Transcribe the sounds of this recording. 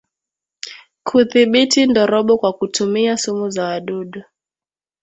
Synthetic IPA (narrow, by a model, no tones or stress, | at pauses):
kʰuθiɓitʰindɔɾɔɓɔkwakutʰumiasumuzaaɗuɗu